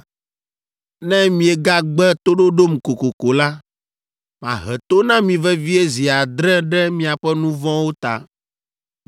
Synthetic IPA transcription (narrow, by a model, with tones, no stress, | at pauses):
nɛ̃˦mĩ˨ɛ˨ɡa˦ɡ͡bɛ˦t̪o˦ɖo˦ɖo˦m˨ko˨ko˨ko˨la˦ | mã̰˨ɦɛ˨t̪o˦nã˦mĩ˨vɛ˦vi˦ɛ˦zi˨a˨d̪ɾɛ˦ɖɛ˦mĩ˨a˨ɸɛ˦nũ˦vɔ̃˦wo˦t̪a̰˨